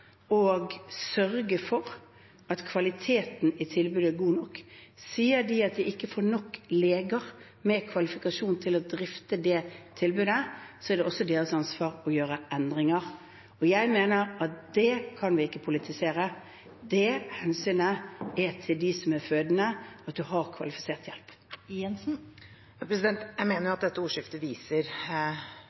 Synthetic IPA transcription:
oːɡsœɾɡəfɔɾ | ɑt̪kʰʋɑlɪt̪ʰeːt̪n̩ɪt̪ʰɪlbʉːd̪əɛɾɡuːnɔkːsiːəɾd̪ɪɑt̪̚d̪ɪʔɪkːəfoːɾnɔkːleːɡəɾ | mɛkʰʋɑlɪfɪkɑʂuːnt̪ʰɪlɔd̪ɾɪft̪əd̪ɛt̪ʰɪlbʉːd̪əsɔɛɾdɖɛʔɔsɔd̪eːɾəsɑnsʋɑːʁɔjøːɾəʔɛnd̪ʁɪŋəɾ | ɔjæɪmeːnəɾɑt̪̚d̪ɛkʰɑnʋɪɪkːəpʰʊlɪt̪ʰɪseːɾə | d̪ɛhɛnsyːnəɛɾt̪ʰɪld̪ɪsɔmæɾføːd̪ənəɑt̪̚d̪ʉhɑʁkʰʋɑ̰lɪfɪ̥seːʁt̪jɛlp | ɛnsn̩ | pʰɾɛs̬ɪd̪ɛnt̪jæɪmeːnəɾjʊɑt̪d̪ɛt̪ːəuːʂɪft̪əʋiːsəɾ

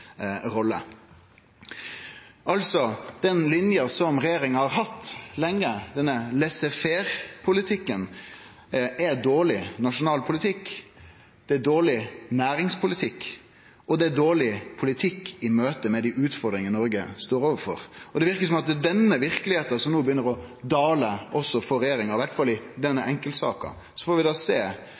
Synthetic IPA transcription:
ɾɔlːə̰ | ʔɑlsɔd̪̥ɛnlɪnjəsɔmɾɛjeːɾɪŋəhɑɾɦɑt̪ːlɛŋəd̪ɛnːəlɛsɛfeɾpʰʊlɪt̪ʰɪkːən | ʔɛd̪oːɭɪnɑʂʊnɑːlpʰʊlɪt̪ʰɪkː | d̪̥ɛæd̪oːɭɪnæːɾɪŋspʰʊlɪt̪ʰɪkː | ɔd̪ɛæd̪oːɭɪpʰʊlɪt̪ʰɪkːɪmøːt̪əmɛd̪iʔʉːt̪fɔɾd̪ɾɪŋənnɔɾɡəst̪oːɾoːʋəfɔ̰ɾɔd̪ɛʋɪɾkəsɔmɑt̪d̪ɛnːəʋɪɾkəlɪheːt̪ɑsɔmnuːbjʏnːəɾɔd̪ɑːləɔsːɔfɔɾɛjeːɾɪŋɑɾɪʋæɾʈt̪fɑlːɪd̪ɛnːəʔɛŋkəlt̪sɑ̰ːkɑ̰ | sɔfɔɾʋɪd̪ɑːseː

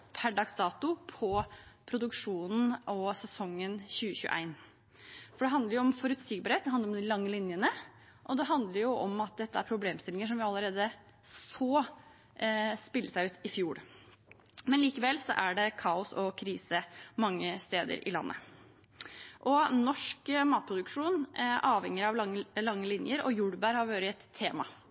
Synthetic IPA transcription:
pʰæɖɑɡsd̪ɑːt̪ʊpʰɔpʰɾʊd̪ʉkʂuːnn̩ʔɔsɛsɔŋːənçʉːəçʉ̰ːəʔæ̰ɪn | fɔɖɛɦɑnd̪əɾjʊɔmfɔɾʉt̪siːɡ̚bɑɾheːt̪̚d̪hɑnd̪əɾɔmd̪ɪlɑŋːəlɪnjənə | ʔɔd̪ɛɦɑnd̪ləɾjʊʔɔmɑt̪̚d̪ɛt̪ʰːəæɾpʰɾʊbleːmst̪ɪlɪŋəʂ̬ɔmʋɪɑlːəɾeːd̪ə | soː | spɪlːəsæɪʉːt̪ɪfjuːɭ | mɛnliːkəʋɛlsɔʔæɖɛkʰɑːʊsɔkʰɾiːsəmɑŋːəst̪eːd̪ə̰ɾʔɪ̰lɑ̰nːʔə̰ | ʔɔnɔʂkmɑːt̪̚pʰɾʊd̪ʉkʂuːnʔɑːʋhɛŋːəɾɑʋlɑŋːəlɪnjəɾɔ̰juɽbæːɾhɑɾʋøːɾɪɛt̪ʰːeːmɑ̰

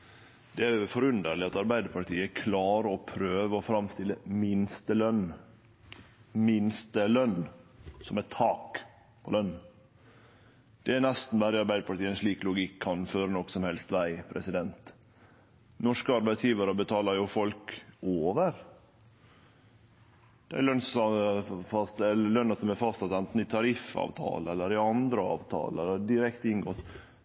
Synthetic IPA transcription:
d̪̥ɛæfɔɾʉnd̪əɾɭɪɑt̪ɑɾbæɪd̪əɾpʰɑʈʰiːəækʰlɑːɾəɔpʰɾøːʋəɔfɾɑmst̪ɪlːəmɪnst̪əlœn | mɪnst̪əlœnːsɔmɛt̪ʰɑːk | pʰɔlœn | d̪̥ɛænɛst̪n̩b̪æːɾɪɑɾbæɪd̪əpʰɑʈ̪iːənsʂɭiːklʊɡɪkʰːɑnføːɾənɔkːsɔmhɛlst̪ʋæɪpʰɾɛsɪd̪ɛnt̪ | nɔʂkəɑɾbæɪt̪sjiːʋɑɾəbət̪ʰɑːləɾjʊfɔlkoːʋəɾ | d̪̥ɛæ̰ɾlœnsɔfɑst̪ɛləlœnːəsɔmɛfɑst̪sɑt̪ɛnt̪n̩ɪt̪ʰɑɾɪfɑ̰ːʋt̪ʰɑ̰ːləɛlːəɾɪɑnd̪ɾəɑ̰ːʋt̪ʰɑ̰ːləɛlːəd̪ɪɾɛkt̪ɪnɡɔt̪

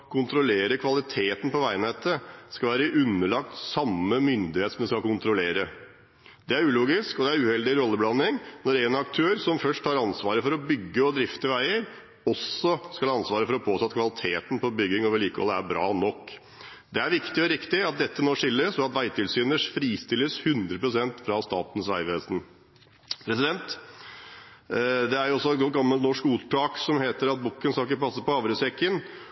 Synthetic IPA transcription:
kʰʊnt̪ɾʊleːɾəkʰʋɑlɪt̪ʰeːt̪n̩pɔʋæɪənɛt̪ːəskɑlʋæːɾəʔʉnːəɭɑk̚t̪sɑmːəmʏnd̪ɪheːt̪sɔmd̪ɛskɑkʊnt̪ɾʊleːɾə | d̪̥ɛæɾʉːluːɡɪskɔd̪ɛæɾʉːhɛld̪ɪɾɔlːəblɑnːɪŋnɔɾɛnɑkt̪ʰøːɾsɔmfœʂʈhɑɾɑnsʋɑːɾəfɔɾɔbʏɡːəɔd̪ɾɪft̪əʋæɪəɾ | ɔsɔskɑlɑnsʋɑːɾəfɔɾɔpʰoːt̪ʰɔːɑt̪kʰʋɑlɪt̪ʰeːt̪n̩pɔbʏɡːɪŋoːʋəɭiːkə̰ləæɾbɾɑ̰ːnɔkː | d̪ɛæɾʋɪkt̪ɪɔɾɪkt̪ɪɑt̪̚d̪ɛt̪ːənoːʂɪlːəsɔɑt̪ʋæɪt̪ʰɪlsyːnəʂfɾiːst̪ɪlːəshʉnd̪ɾəpɾʊsɛnt̪fɾɑst̪ɑ̰ːt̪n̩sʋæ̰ɪʋeːsn | pʰɾɛsɪd̪ɛnt̪ | d̪ɛæjʊɔsːɔɛt̪ɡɔɡɑmːəlt̪nɔʂkmuːt̪ʈɑːksɔmheːt̪əɾɑt̪̚bukːənskɑlɪkəpʰɑsːəpɔɑʋɾəsɛkːən

